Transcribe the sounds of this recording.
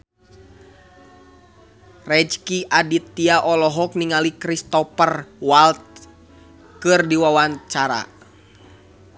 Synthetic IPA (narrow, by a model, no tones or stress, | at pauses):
rɛd͡ʒkiʔadit̪ːiaʔɔlɔɦɔk̚niŋalikɾist̪ɔpərwalt̪̚ | kɨrdiwawaɲt͡ʃaɾa̰